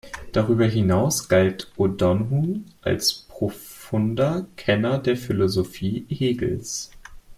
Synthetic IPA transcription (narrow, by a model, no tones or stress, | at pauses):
d̥aʁyːbɐɦinaʊsɡ̥altʔodɔnɦuʔa̰lspʁ̥ofʊndɐkʰɛnɐdeːɐfilozofiːheːɡl̩s